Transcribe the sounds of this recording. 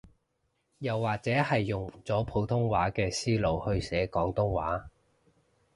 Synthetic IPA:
jɐ˨wːaː˨k̚t͡sɛː˨˥hɐ˨jːʊ˨˩ŋt͡sɔː˨˥pʰo˨˧wt̪ʰʊ˥ŋwaː˨˥kɛː˧siː˥lo˨whɵ˧ɥsɛː˨˥kɔː˨˥ŋt̪ʊ˥ŋwa̰ː˨˥

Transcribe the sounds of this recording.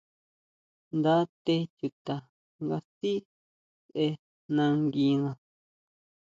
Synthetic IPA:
nd̪a˦t̪e˦˧t͡ʃu˨t̪a˨ | ŋɡa˧si˦ | sʔe˧ | nã˧ŋɡi˧ŋã˧

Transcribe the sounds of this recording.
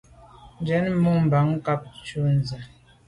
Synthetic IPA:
n̩˨˦d͡ʒɛ˨˦n˦mu˦˨m̩˨ba˨˦ŋ˦ka˦p̚t͡ʃu˦n˨za˨

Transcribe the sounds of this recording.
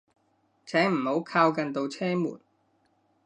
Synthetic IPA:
t͡sʰɛː˨˥m̩˨˩ho˨˥wkʰaː˧wkɐ˨˧nt̪o˧wt͡sʰɛː˥mṵː˨˩n

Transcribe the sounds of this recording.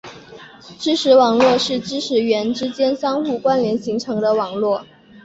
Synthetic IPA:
ʈ͡ʂɻ̩˥ʂʰɻ̩˧˥wɑ˨˩ŋlwɔ˥˧ʂɻ̩˥˩ʈ͡ʂɻ̩˥ʂʰɻ̩˧˥ɥɛ˧˥nʈ͡ʂɻ̩˥t͡ɕjɛ˥nsɑ˥ŋxu˥˩kwa˥nɥɛ˧˥nɕi˧˥ŋʈ͡ʂʰɤ˧˥ŋd̪ə˧wɑ˨˩ŋlwɔ˥˩

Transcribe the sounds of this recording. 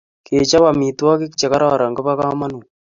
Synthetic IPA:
ke˨t͡ʃa˦βa˨mi˨twa˦ki˦kt͡ʃe˨ka˦ɾa˦˨ɾa˨ŋɡə˦pa˦ka˦ma˦nu˨

